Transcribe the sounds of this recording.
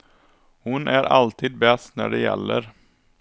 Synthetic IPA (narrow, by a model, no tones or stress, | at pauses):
hʊnʔæɾʔɑlt̪ʰiːd̪̚bɛst̪næ̰ɖɛjɛ̰lːəɾ